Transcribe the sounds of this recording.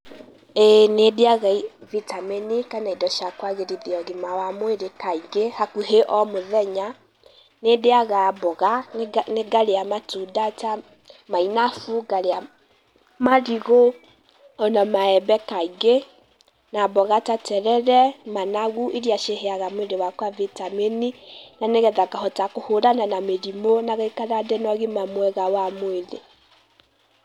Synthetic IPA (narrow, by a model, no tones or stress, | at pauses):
ɛnedeaɣaivitamenikanaidɔʃakwaɣeɾiðiɔɣimawamoeɾekaiɡehakuɦeʔɔmoðɛɲa | nedeaɣabɔɣaneɡaɾeamatudata | mainafuɡaɾea | maɾiɣo | ɔnamaɛbɛkaiɣe | nabɔɣatatɛɾɛɾɛmanaɣuʔiɾiaʃeɦeaɣamweɾewakwavitameninaneɣɛðakahɔtakohoɾananameɾimonaɣaikaɾadɛnɔɣemamwɛɣawamweðe